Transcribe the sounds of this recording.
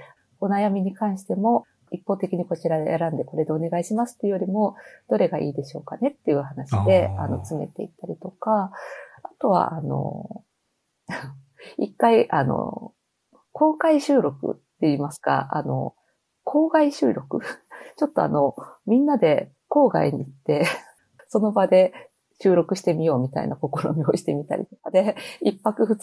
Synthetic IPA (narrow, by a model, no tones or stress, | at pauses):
o̞najamʲiɲ̟ikãɰ̃ɕi̥t̪e̞mo̞ | ipːo̞ːt̪e̞kʲiɲ̟iko̞t͡ɕiɾaḛja̰ɾãnd̪e̞ko̞ɾe̞d̪e̞oːne̞ɡaiɕimasɨ̥t̪ːejo̞ɾʲimo̞d̪̥o̞ɾe̞ɡaʔḭːd̪e̞ɕo̞ːkane̞t̪ːe̞jɯ̟ːhanaɕid̪e̞a̰no̞̰t͡sɨme̞̰t̪e̞ḭt̪ːaɾʲit̪o̞kaː | t̪o̞β̞a̰ʔano̞̰ | ikːaiʔano̰ | kʰo̞ːkaiɕɨːɾo̞kɯ̰t̪ːe̞iːmasɨ̥ka̰a̰no̞̰ | kʰo̞ːɡaiɕɨːɾo̞kɯ̟̰t͡ɕo̞t̪ːo̞a̰no̞mʲĩnːad̪e̞ | ko̞ːɡa̰iɲ̟iːt̪ːe̞ | so̞no̞bad̪e̞ | ɕɨːɾo̞kɯ̟ɕi̥t̪e̞mʲijo̞ːmʲit̪a̰ḭnako̞ko̞ɾo̞ɲʲioɕi̥t̪e̞mʲit̪a̰ɾʲḭt̪okad̪e̞ipːakɯ̟ɸɯ̟